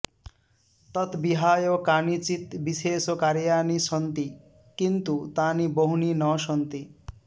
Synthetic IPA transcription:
t̪ʌt̪biɦajokanit͡ʃit̪biseːsokaɾjaːnisɔnt̪i | kint̪ut̪aniboɦuninɔʃɔnt̪i

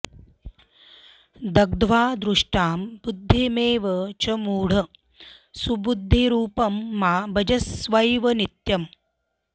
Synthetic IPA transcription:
d̪ɐɡ̚d̪ʋaːd̪ɾuʂʈaːmbud̪ʱːemeːʋɐt͡ʃɐmuːɽ̤ɐ | subud̪ʱːeɾuːpɐmːaːbɐd͡ʒɐsʋɐjʋɐnit̪jɐm

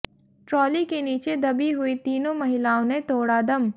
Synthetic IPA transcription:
ʈɾɔːlikeniːt͡ʃed̪ɐbiɦʊit̪iːnõmɐɦɪlaːõnẽt̪oːɽad̪ɐm

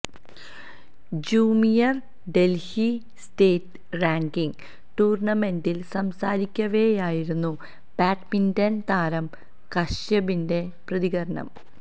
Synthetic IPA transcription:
d͡ʑuːmijɐr | ɖe̞lhi | steːt | raːŋɡiŋ | ʈuːrɳɐme̞ndilsɐmsaːɾikʲːɐʋe̞jaːjiɾunːu | b̥aːʈmindɐnt̪aːɾɐm | kɐʂjɐbinde̞prɐðiɣɐɾɐɳɐ̰m

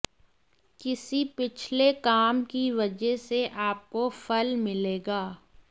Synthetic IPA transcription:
kɪsipɪt͡ʃʰlekaːmkiʋɐd͡ʒɛɦseʔaːp̚kofɐlmɪleːɡaː

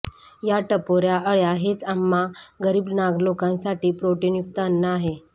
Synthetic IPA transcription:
jaʈəpoɾjaəɭjaɦet͡samːaɡəɾiːbnaɡlokãnsaʈiːpɾoʈinjukt̪əənːaːɦe

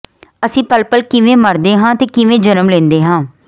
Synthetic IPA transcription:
əsĩːpəlpəlkɪʋẽːməɾd̪eːɦãːt̪eːkɪʋẽːd͡ʒənəmlẽːnd̪eːɦãː

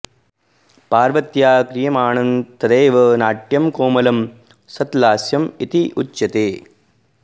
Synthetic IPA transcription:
paːɾʋɐt̪jaːkɾɪjɐmaːɳɐnt̪ɐd̪ɐːʋɐnaːʈjɐmkoːmɐlɐm | sɐt̪laːsjɐmit̪iʔut͡ʃːɐt̪eː

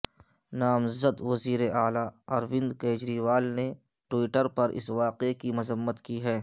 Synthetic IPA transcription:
naːmzəd̪ʋɐziːɾeʔaːlaɐɾʋɪ̃nd̪keːd͡ʒɾiːʋaːlneʈwɪːʈəɾpɐɾʔɪ̰sʋaːqekimɐzəmːət̪kiɦɛː

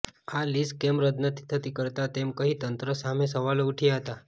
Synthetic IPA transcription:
aliskemɾəd̪nət̪ʰi̥t̪ʰət̪ikəɾt̪at̪emkəɦit̪ənt̪ɾəsamẽsəʋaluʈʰijaɦət̪a

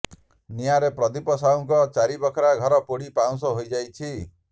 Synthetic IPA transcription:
nijaɾepɾɔd̪ipɔsaũŋkɔt͡ʃaɾibɔkʰɔɾaɡʱɔɾɔpoɽipaw̃sɔɦojd͡ʒajt͡ʃʰi

